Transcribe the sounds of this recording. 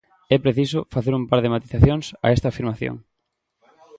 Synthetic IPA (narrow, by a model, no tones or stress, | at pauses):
ɛpɾeθisʊfaθeɾumpaɾð̞emat̪iθaθjoŋsa̰ɛst̪aːfiɾmaθjo̰ŋ